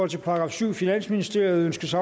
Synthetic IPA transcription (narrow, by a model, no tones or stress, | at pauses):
ɒ̽l̰t͡sʰe̝pʰɑ̈ɡ̥ʁɑ̈ːfsyʊ̰finæn̰sminisd̥e̝ɐ̰ɪð̩ˠønsɡ̥ɐsɑ̈